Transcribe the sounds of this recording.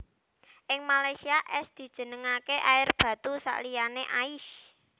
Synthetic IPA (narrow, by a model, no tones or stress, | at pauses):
ʔɪŋmalajsiaʔɛsd̪̥i̤̥ʒ̥ə̤nəŋakeʔaɪrb̥ä̤t̪usa̰ʔlijaneʔaɪʃ